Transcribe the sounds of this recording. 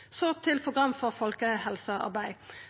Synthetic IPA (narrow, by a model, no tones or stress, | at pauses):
soːt̪ʰɪlpʰʁʊɡʁɑmːfɔʁfɔlkəhɛlsəɑ̰ʁbæɪ